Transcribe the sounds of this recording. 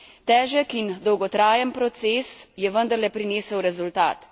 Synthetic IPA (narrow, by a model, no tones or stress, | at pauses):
t̪ɛːʒəkind̪ɔwɡɔt̪ɾaːjənpɾɔt̪seːsjɛʋənd̪əɾlɛpɾineːsəwɾɛzult̪a̰ːt̪